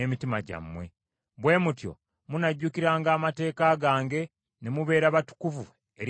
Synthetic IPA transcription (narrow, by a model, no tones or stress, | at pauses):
emitimaɟa̰mːwe̞̰ | βwe̞ːmutjo̞̰ | munaɟːukiɾaːŋɡaːmate̞ːkaɡaːŋɡe̞ | ne̞muβe̞ːɾaβatu̥kuvu | eɾ